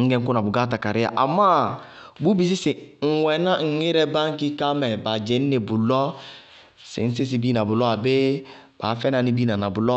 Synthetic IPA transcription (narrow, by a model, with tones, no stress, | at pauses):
ŋ̩˦ɡɛ˦ŋ̩˦ku˦na˨bu˨ɡa˦ta˨ka˨ɾɪ˦a̰˨ʔa˨ma˦ | bu˦bi˦s̬i˦se˨ŋ̩˨wɛ˨nã˦ŋ̩˦e˦ɾɛ˦bã˦ŋ˦ki˦kã˦mɛ˨ba˨d͡ʒɛ˨˦ni˦ne˨bu˨lɔ˦ | sḛ˨n̩˦s̬i˦s̬i˨bi˦na˨bu˨lɔ˦a˨be˦ | b̥a˨˦fɛ˦na˨ni˦bi˦nã˨na˨bu˨lɔ˦